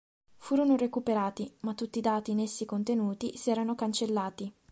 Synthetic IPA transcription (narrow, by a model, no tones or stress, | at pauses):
fuːɾonorekupeɾaːt̪imat̪ːut̪ːid̪aːt̪iːnesːikont̪enuːt̪isiɛːɾanokant͡ʃelːaːt̪i